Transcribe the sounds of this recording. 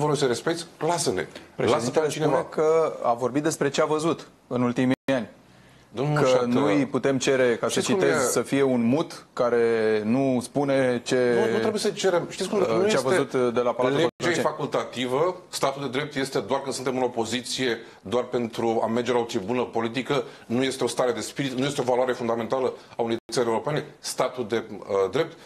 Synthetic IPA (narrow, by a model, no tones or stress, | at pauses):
vəɾojsəɾespek̚t̪sʲlasenḛpɾelazit̪et͡ʃinevekʰəa̰vo̞rbit̪d̪e̞spɾe̞t͡ʃe̞avəzut̪ | ɨnult̪imianʲ | d̪omnkənujput̪e̞mt͡ʃe̞ɾe̞kasət͡ʃt͡ʃimezsəfije̞unmut̪kaɾe̞nuspune̞t͡ʃe̞ɾebjesət͡ʃeɾemʃt̪it̪sʲkumnjet͡ʃeavəzut̪d̪e̞lapalaueefakult̪at̪ivəst̪at̪uld̪e̞d̪ɾe̞p̚t̪je̞st̪e̞d̪oarkɨnsɨnt̪e̞mɨnopo̞zit̪sije̞ | d̪oarpe̞nt̪ɾua̰merd͡ʒeolaut͡ʃ̪iebunəpo̞lit̪̬ikənuje̞st̪eo̞st̪aɾe̞d̪e̞spiɾit̪nujest̪eo̞valoaɾe̞fund̪ame̞nt̪aləauneijt̪ət̪ʲəɾeuɾopenest̪at̪uld̪e̞d̪ɾe̞p̚t̪